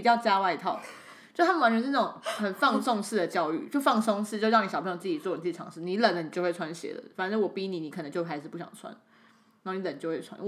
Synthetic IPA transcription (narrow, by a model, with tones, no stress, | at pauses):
pi˨˩t͡ɕjɑ˥˩ʊt͡ɕja˥wa˥˩ɪi˧˥t̪ʰɑ˥˩ʊ | t͡ɕjo˥˧˥t̪ʰm˨wa˧˥nt͡ɕʰɛ˧˥˩ʈ͡ʂʊ˨˩ŋxə˨˩nfɑ˥˧ŋsʊ˥˧ŋʂ̩˥˩d̪ə˩t͡ɕjɑ˥ʊy̰˥˩t͡ɕjo˥˧ʊfɑ˥˩ŋsʊ˥˧ŋʂɻ̩˥˧t͡ɕɻɑ˥˩ni˨˧˩ɕpʰt͡s̩˥˩i˨˩t͡swɔ˥˩˨i˨˩ɑ˧˥ŋʂɻ̩˥˩ni˧˥lə˨˩nlə˦ni˨˩t͡ɕjo˥˧xwe˥˩ɪwa˥nɕjɛ̰˧˥lə̰˨fa˨˩nə˥˩wɔ˨˩pi˥ni˨˦ni˨˥kʰə˨˩ə˧˦ŋt͡ɕjo˥˧˥a˧˥ɪʂɻ̩˥˩pu˥˩ɕjɑ̰˨˩ŋt͡sʰwa̰˥n | n˧˥˩ni˧lə˨˩nt͡ɕjo˥˧ʊwe˥˩t͡sʰa˥n˥˧˩